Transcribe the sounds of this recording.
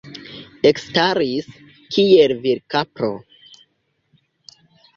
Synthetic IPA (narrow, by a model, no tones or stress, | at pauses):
ekstaɾis | kʰielviɾkapɾo̰